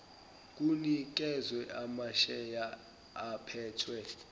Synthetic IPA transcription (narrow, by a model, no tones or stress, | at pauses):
k̬ʼunik̬ʼɛzwɛʔamaʃɛjaː | pʰɛːtʰwɛ